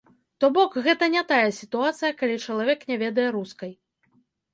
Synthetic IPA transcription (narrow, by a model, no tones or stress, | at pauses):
t̪ɔbɔkɣɛt̪ɐnʲɛt̪ajɐsʲit̪uat̪sɨjɐkalʲit͡ʂɐlˠavʲɛknʲɛvʲɛd̪ɐjɛɾuskɐj